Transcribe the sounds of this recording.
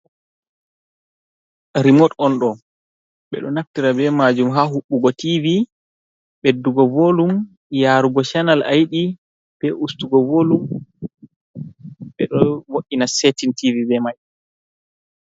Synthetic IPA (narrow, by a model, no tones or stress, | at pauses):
ɾimotɔnɗɔ | ɓɛ̰ɗɔnaftiɾabɛmad͡ʒumɦaɦuɓːuɡɔtivi | ɓedːuɡɔvoːlum | jaːɾuɡɔʃanalajɗi | b̥ɛʔustuɡɔvoːlum | ɓɛɗɔwoʔinasetintivibɛmaj